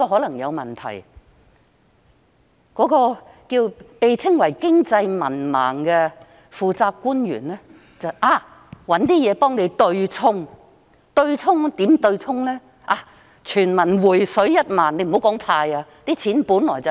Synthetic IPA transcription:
kɔː˧ɦɔ˨˧˥lɐ˨˩ŋjɐ˨˧wmɐ˨˩nt̪ʰɐ̰˨˩j | kɔː˨˥kɔː˧ | kiː˧wpe˨jt͡sʰɪ˥ŋwɐ˨˩jkɪ˥ŋt͡sɐ˧jmɐ̰˨˩nma̰ː˨˩ŋkɛ˧ | fuː˨˧t͡saː˧p̚kuː˥njy̰ː˨˩nlɛː˥ | t͡sɐ˨wʔaː˧ | wɐ˨˥nt̪iː˥jɛː˨˧pɔː˥ŋne˨˧jt̪ɵ˧ɥt͡sʰʊ˥ŋ | t̪ɵ˧ɥt͡sʰʊ˥ŋt̪iː˨˥mt̪ɵ˧ɥt͡sʰʊ˥ŋlɛː˥ | ʔaː˧˩ | t͡ʃʰyː˨˩nmɐ˨˩nwuː˨˩jsɵ˨˥ɥjɐ˥t̚maː˨nːe˧jm̩˨o˨˥wkɔː˨˥ŋpʰaː˧jaː˧t̪iː˥t͡sʰiː˨˥npuː˨˥nlɔː˨˩jt͡sɐ˨

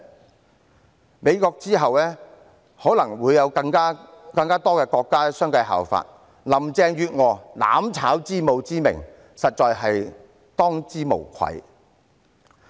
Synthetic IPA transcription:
me˨˧jkɔː˧k̚t͡siː˥ɦɐ˨wlɛː˥ | hɔː˨˥lɐ˨˩ŋwuː˨˧jjɐ˨˧wkɐ˧ŋkaː˥ | kɐ˧ŋkaː˥t̪ɔː˥kɛː˧kɔː˧kːaː˥sœː˥ŋkɐ˧jɦa̰ː˨˩wfa̰ː˧t̚ | lɐ˨˩mt͡sɛː˧ŋjyː˧t̚ŋɔː˨˩la̰ː˨˥mt͡sʰaː˨˥wt͡siː˥mo˨˧wt͡siː˥mɪ̰˨˩ŋ | sɐ˨t̚t͡ʃɔː˧jɦɐ˨j | t̪ɔː˥ŋt͡siː˥mo̰˨˩wkʷʰɐ̰˨˥j

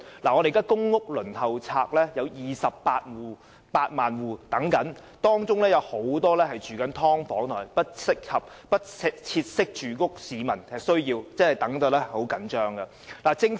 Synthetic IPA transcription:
laː˨˩ŋɔː˨˧ɾe˨kaː˥kʊ˥ŋːʊ˥k̚lɵ˨˩nhʰɐ˨wt͡sʰaː˧k̚lɛː˥jɐ˨˧wjiː˨˩sɐ˨pːaː˧t̚wuː˨˩ | paː˧t̚maː˨nwuː˨˩t̪ɐ˨˥ŋkɐ˨˥n | t̪ɔː˥ŋt͡ʃʊ˥ŋlɛː˥jɐ˨˧who˨˥wt̪ɔː˥lɛː˥hɐ˨jt͡ʃyː˨˩kɐ˨˥nt̪ʰɔː˥ŋfɔː˨˥ŋt̪ʰɔ̰ː˨˩jpɐ˥t̚sɪ˥k̚hɐ˨p̚ | pɐ˥t̚sɪ˥k̚t͡sʰiː˧t̚sɪ˥k̚t͡ʃyː˨˩kʊ˥k̚siː˨˧mɐ˨˩nɛ˨sɵ˥ɥjiː˧wt͡sɛ˥hɐ˨˩jt̪ɐ˨˥ŋt̪o˨˧wlɛ˥ho˨˥wkɐ˨˥nt͡ʃœː˥ŋɡɐ˧ | laː˨˩t͡sɪ˥ŋ

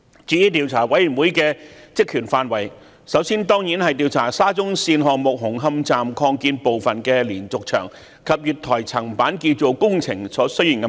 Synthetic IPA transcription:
t͡ʃyː˨˥jiː˧˥t̪̬iː˨˧wt͡sʰaː˨˩wɐ˨˥jy˨˩nwuː˨˥jkɛː˧t͡sɪ˥kʰːyː˨˩nfaː˨˧nwɐ˨˩j | sɐ˨˥wsiː˥nt̪ɔː˥ŋji˨˥nhɐ˨jt̪iː˨˧wt͡sʰaː˨˩saː˥t͡sʊ˥ŋsiː˧nɦɔː˨˧k̚mʊ˨k̚ɦʊ˨˩ŋɦɐ˥mt͡saː˨mkʰɔː˧ŋkiː˧npo˨wfɐ˨nkɛː˧liː˨˩nt͡sʊ˨k̚t͡ʃʰœ̰ː˨˩ŋ | kʰɐ˨p̚jyː˨˩t̚t̪ʰɔː˨˩jt͡sʰɐ˨˩ŋpaː˨˥nki˧t͡so˨wkʊ˥ŋt͡sʰɪ˨˩ŋsɔː˨˥sɵ˥ɥjɪ˨˩ŋk

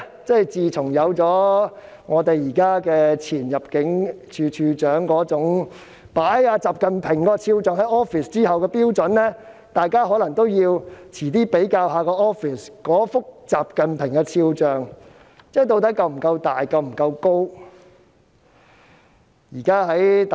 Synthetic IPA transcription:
t͡sɐ˥˩jt͡siː˨t͡sʰʊ˨˩ŋjɐ˨˧wt͡sɔː˨˥ | ŋɔː˨˧t̪e˨jiː˨˩kaː˥kɛː˧t͡sʰiː˨˩njɐ˨p̚kɪ˨˥ŋt͡ʃʰyː˧t͡ʃʰyː˧t͡ʃœː˨˥ŋkɔː˨˥t͡sʊ˨˥ŋ | paː˨˥jaː˧t͡saː˨p̚kɐ˨npʰɪ˨˩ŋkɔː˧t͡sʰiː˧wt͡sœː˨˧ŋhɐ˨˥jɔː˥fiː˨˩st͡siː˥hɐ˨wkɛː˧piː˥wt͡sɵ˨˥nlɛː˥ | t̪aː˨jkaː˥ɦɔː˨˥lɐ˨˩ŋt̪o˥wjiː˧wt͡sʰiː˨˩t̪iː˥pe˨˥jkaː˧wɦaː˨˧kɔː˧ʔɔː˥fi˨˩skɔː˨˥fʊ˥k̚t͡saː˨p̚kɐ˨npʰɪ˨˩ŋkɛ˧t͡sʰiː˧wt͡sœː˨˩ŋ | t͡sɛː˥˩jt̪̬o˧wt̪̬ɐ˨˥kɐ˧wm̩˨˩kɐ˧wt̪aː˨jkɐ˧wm̩˨˩kɐ˧wko˥w | jiː˨˩kaː˥ɦɐ˨˥j

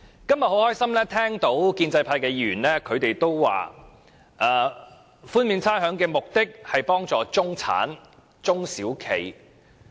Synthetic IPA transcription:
kɐ˥mjɐ˨t̚ho˨˥whɔː˥jsɐ˥mlɛː˥t̪ʰɛː˥ŋt̪o˨˥wkiː˧nt͡sɐ˧jpʰaː˧jkɛː˧jyː˨˩nlɛː˥kʰɵ˨˧ɥt̪e˨jt̪o˥wwa̰ː˨ | ʔaː˨ | fuː˥nmiː˨˧nt͡sʰaː˥nɦœː˨˥ŋkɛː˧mʊ˨k̚t̪ɪ˥k̚hɐ˨jpɔː˥ŋt͡sɔː˨t͡sʊ˥ŋt͡sʰa̰ː˨˥n | t͡sʊ˥ŋsiː˨˥wkʰḛ˨˩j

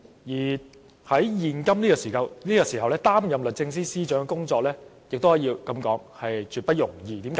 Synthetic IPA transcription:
jiː˨˩ | hɐ˨˥jjiː˨nkɐ˥mniː˥kɔː˨˧siː˨˩kɐ˧wniː˥kɔː˨˧siː˨˩ɦɐ˨wlɛː˥t̪aː˥mjɐ˨mlɵ˨t̚t͡sɪ˧ŋsiː˥siː˥t͡ʃœː˨˥ŋkɛ˧kʊ˥ŋt͡sɔː˧k̚lɛː˥jɪ˨k̚t̪o˥ɦɐ˨˥jiː˧wkɐ˧mkɔː˨˥ŋhɐ˨jt͡ʃyː˨t̚pɐ˥t̚jʊ˨˩ŋjiː˨˧t̪iː˨˥mka˨˦

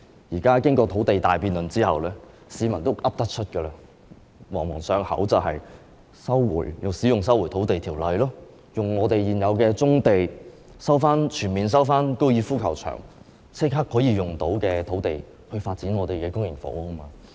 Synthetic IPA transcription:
jiː˨˩kaː˥kɪ˥ŋkɔː˧t̪ʰo˨˥wt̪e˨jt̪aː˨˩jpiː˨nlɵ˨˩nt͡siː˥hɐ˨wlɛː˥ | siː˨˧mɐ˨˩nt̪o˥wʔɐ˥p̚t̪ɐ˥k̚t͡ʃʰɵ˥t̚kɛː˧laː˧ | wɔː˨˩ŋwɔ̰ː˨˩ŋsœː˨˧ŋhɐ̰˨˥wt͡sɐ˨whɐ̰˨j | sɐ˥wwṵː˨˩jjʊ˨wsi˨˥jʊ˨ŋsɐ˥wu˨˩jt̪ʰo˨˥wt̪e˨jt̪ʰiː˨˩wlɐ˨jlɔː˥ | jʊ˨˩ŋŋɔː˨˧t̪e˨jjiː˨njɐ˨˧wkɛː˧t͡sʊ˥ŋt̪e˨j | sɐ˥wfaː˥nt͡ʃʰyː˨˩nmiː˨ns̬ɐ˥wfaː˥nko˥wjiː˧fuː˥kʰɐ˨˩wt͡ʃʰœ̰ː˨˩ŋ | t͡sʰɪ˥kɦaː˥k̚hɔː˨˥jiː˨˧jʊ˨˩ŋt̪o˨˥wkɛː˧t̪ʰo˨˥wt̪e˨j | hɵ˧faː˧t̚t͡siː˨˥nŋɔː˨˧t̪e˨˩jkɛː˧kʊ˥ŋjɪ˨˩ŋfo̰˨˥wɐ˥maː˧

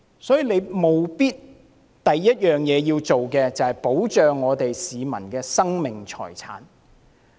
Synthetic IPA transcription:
sɔː˨˥jiː˨le˨˧jmo˨wpiː˥t̚ | t̪ɐ˨jːɐ˥t̚jœː˨˩ŋjɛː˨˧jiː˧wt͡ʃo˨wkɛː˧t͡sɐ˨whɐ˨jpo˨˥wt͡ʃœː˨ŋːɔː˨˧t̪e˨jsiː˨˧mɐ˨˩nkɛː˧sɐ˥ŋmɪ˨ŋt͡ʃʰɔ̰ː˨˩jt͡sʰa̰ː˨˥n

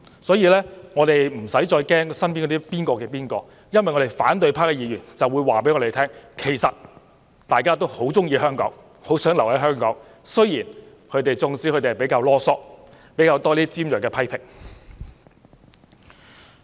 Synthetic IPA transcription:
sɔː˨˥jiː˧lɛː˥ŋɔ˨˧t̪e˨jm̩˨˩sɐ˨˥jt͡ʃɔː˧jkɛː˥ŋsɐ˥npiː˥nkɔ˨˧˥iː˥piː˥nkɔː˧kɛː˧piː˥nkɔː˧ | jɐ˥nwɐ˨˩jŋɔ˨˧te˨˩fa̰ː˨˥nt̪ɵ˧ɥpʰaː˥kɛ˧jiː˨˧jyː˨˩nt͡sɐ˨wːuː˨˧jwaː˨˩pe˨˥jŋɔː˨˧t̪e˨˩t̪ʰɛː˥ŋkʰe˨˩jsɐ˨t̚ | t̪aː˨jkaː˥t̪o˥who˨˥wt͡sʊ˥ŋjiː˧hœː˥ŋkɔ̰ː˨˥ŋ | ho˨˥wsœː˨˥ŋlɐ˨˩whɐ˨˥jɦœː˥ŋkɔː˨˥ŋ | sɵ˥ɥjiː˨˩n | kʰɵ˨˧ɥt̪e˨jt͡sʊ˧ŋt͡siː˨˥kʰɵ˧t̪e˨˩˨pe˨˧˥jkaː˧wlɔː˥sɔː˥k̚ | pe˨˥jkaː˧wt̪ɔː˥liː˥t͡siː˥mjœː˨˩kːɛː˧pʰɐ˥jpʰɪ˨˩ŋ̚

